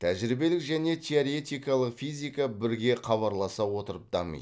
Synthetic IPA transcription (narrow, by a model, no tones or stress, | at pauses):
t̪ʰæʒɪɾibe̞lɪkʒæne̞t̪ʲʰeoɾe̞t̪ʲijkɑlˠəqfijzʲijkabɪɾɡʲe̞χʰɑβɑɾlˠɑsɑwo̞t̪əɾəp̚d̪̥ɑ̰mə̰j